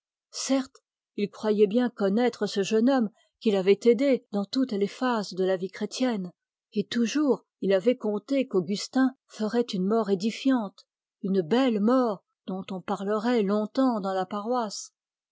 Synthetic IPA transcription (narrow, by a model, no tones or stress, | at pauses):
sɛʁt̪ | ilkχwajɛbjɛ̃kɔnɛt̪χəsəʒənɔm | kʲilavɛt̪ed̪ed̪ɑ̃t̪ut̪lefazd̪əlavikχet̪jɛn | et̪uʒuʁ | ilavɛkɔ̃t̪ekoɡʲyst̪ɛ̃ | fəʁɛt̪ynmɔʁed̪ifjɑ̃t̪ | ynbɛlmɔʁ | d̪̥ɔ̃t̪ɔ̃paʁləʁɛlɔ̃t̪ɑ̃d̪ɑ̃lapaʁwas